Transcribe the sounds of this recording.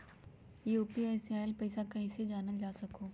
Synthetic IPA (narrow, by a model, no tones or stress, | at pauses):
uːpiaɪsiaːjlpɐɪsakɐɦĩsed͡ʒaːnəld͡ʒaːsɐkoː